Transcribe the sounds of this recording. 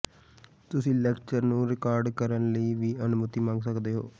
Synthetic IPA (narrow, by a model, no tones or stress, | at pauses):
t̪ʊsĩːlɛːkt͡ʃəɾnũːɾɪkaːɾɖkəɾənləiːʋiːənʊmʊt̪iːmãːŋɡsəkd̪eːɦoː